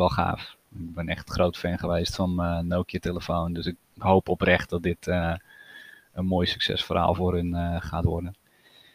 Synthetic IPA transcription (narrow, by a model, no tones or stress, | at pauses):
ʋɛlˠχa̰ːf | ɪk̚bɛnɛχtχrowtfɛnχəʋejstfɔnənowkjəteləfowndøsɪk̚ | ɦowpɔprɛχt̚dɔt̚dɪtʰə | ənmoːjsy̥ksɛ̰sfora̰ːlˠfoːrənχaːtʋɔrdən